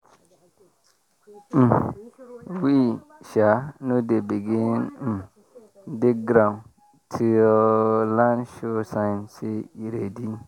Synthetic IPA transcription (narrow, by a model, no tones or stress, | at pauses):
m̩ | wi | ʃanodebiɡin̩ | dekɡɾãn | tʰilãnʃosãnseiɾedi